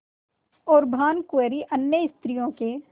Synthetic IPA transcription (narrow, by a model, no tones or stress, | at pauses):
ɔːɾbʱaːnkweɾiʔɐnjəɪst̪ɾijõke